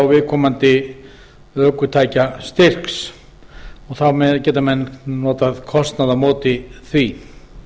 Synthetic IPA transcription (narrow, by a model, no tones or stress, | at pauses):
wvɪðkʰɔːmant̪ɪ | œːkʏt̪ʰaːjcast̪ɪr̥ks | ɔɣθawmɛðcɛːt̪amɛnːnɔːt̪aðkʰɔst̪naðamɔːt̪ɪθvi